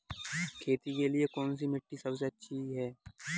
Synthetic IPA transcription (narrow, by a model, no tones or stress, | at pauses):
kʰeːt̪ikeliekɔːns̬imɪʈːisɐbs̬eɐtːʃʰiɦɛː